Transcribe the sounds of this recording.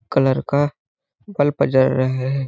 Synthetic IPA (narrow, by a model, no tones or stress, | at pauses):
kələɾka | bəlpəd͡ʒəɾːəɦɦɛ